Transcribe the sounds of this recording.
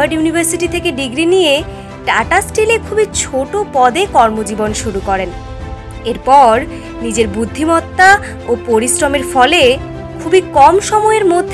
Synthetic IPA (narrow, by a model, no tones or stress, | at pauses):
aɖjunibʱaɾsiʈit̪ʰekeɖiɡɾinije | ʈaʈasʈelekʰubit͡ɕʰoʈopɔd̪ekɔɾmod͡ʑibonʃuɾukɔɾen | eɾpɔɾ | nid͡ʑeɾbud̪ʱːimɔt̪ːa | opoɾisɾomeɾfɔle | kʰubikɔmʃɔmɔeɾmod̪ʱː